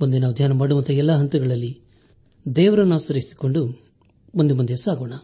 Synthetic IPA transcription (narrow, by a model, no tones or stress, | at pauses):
mond̪enaʋd̪ʱjaːnɐmaːɽumɐnt̪ɐɛlːɐɦɐnt̪uɡɐɭɐlːi | d̪ɛːʋɐɾɐnːaːsɐɾisi̥ko̞ɳɖu | mond̪umɐnd̪esaːɡoːɳɐ